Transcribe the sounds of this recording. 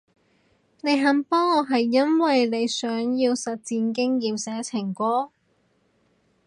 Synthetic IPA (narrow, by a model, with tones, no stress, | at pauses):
ne˨˧jɦɐ˨˥mpɔː˥ɔ˨˧ɦɐ˨jːɐ˥nwɐ˨jne˨˧jsœː˨˥ŋjiː˧wsɐ˨t̚t͡siː˧nkɪ˥ŋjiː˨msɛː˨˥t͡sʰɪ˨˩ŋkʷɔː˥